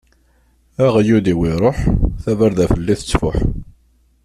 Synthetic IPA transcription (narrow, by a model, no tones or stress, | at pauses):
æʁjud̪iwiɾˤoħθævəɾðæfəlːiθət͡sːfʊħ